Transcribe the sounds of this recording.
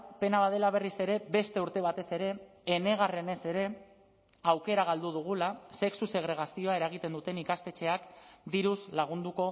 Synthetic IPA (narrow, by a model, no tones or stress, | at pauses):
pe̞naβaðe̞laβ̞e̞rise̞ɾe̞be̞st̪e̞uɾt̪e̞β̞at̪e̞se̞ɾe̞ː | ne̞ɣ̞are̞ne̞se̞ɾe̞ | awke̞ɾaɣald̪uð̞uɣ̞ulase̞ksuse̞ɣɾe̞ɣ̞asio̞ae̞ɾaɣ̞it̪e̞nd̪ut̪e̞nikast̪e̞t͡ʃe̞akd̪iɾuzlaɣ̞und̪uko̞